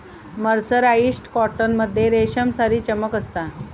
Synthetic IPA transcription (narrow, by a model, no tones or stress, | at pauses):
məɾsəɾaisʈkɔʈənməd̪ʱːjeɾeɕəmsaɾiːt͡ɕəməkəst̪a